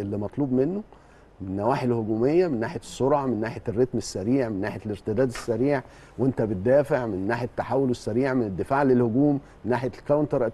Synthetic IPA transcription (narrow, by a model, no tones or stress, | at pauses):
elːimɑt̪ˤluːbmenːo | mɪnːæwaːħelhoɡuːmejːæmenːaːħet̪sːoɾʕɑmenːaːħerːet̪mesːæɾiːʕmenːaːħeleɾt̪ɪd̪æːd̪æsːæɾiːʕ | went̪æbɪt̪̚d̪ːæːfeʕmɪnːaːħt̪ːaħawːolwesːæɾiːʕmened̪ːefaːʕlelhoɡuːmːenːaːħelkæwnt̪ɑɾˤ